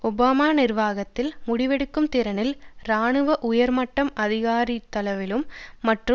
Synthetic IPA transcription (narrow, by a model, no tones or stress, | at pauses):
ʊbaːmaːnɪrʋaːɣɐt̪ːɪlmʊɽɪʋɛɽɯkːɯmt̪ɪɾɐnɪlɾaːɳɯʋɐʔʊjɐɾmɐʈːɐmɐðɪɣaːɾit̪ːɐlɐʋɪlɯmːɐʈrɯ